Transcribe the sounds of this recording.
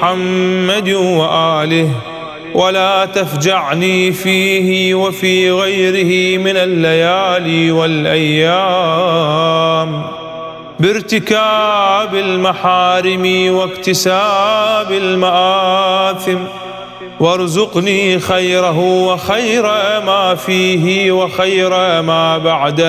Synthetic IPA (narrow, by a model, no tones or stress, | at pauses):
ħamːad̪waʔaːlɪh | wʔalaːt̪afd͡ʒaʕniːfiːhɪwafiːɣajɾɪhimɪnalːajaːliwalʔajːa | m | bɪɾt̪ɪkaːbɪlmaħaːɾɪmiwɪkt̪ɪsaːbɪlmaʔaːθɪm | wɑɾˤzʊqniːxajɾaɦʊwɪxajɾamaːfiːɦɪwɪxajɾamaːbaʕd̪a